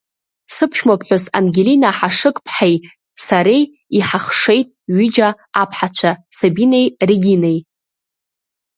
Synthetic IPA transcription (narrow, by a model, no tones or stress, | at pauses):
sɨpʰʃᶣmapʰħʷᶣʊsa̰nɡʲelinaħaʂɨkʼpʰħej | saɾej | iħaχʂe̞jtʼɥid͡ʒaː | pʰħat͡ɕʷʰasabinejriɡʲinej